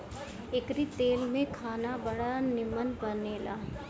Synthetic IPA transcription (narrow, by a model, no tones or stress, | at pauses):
ɪkɾit̪eːlmẽkʰaːnabɐɽanɪmənbəneːla̰ː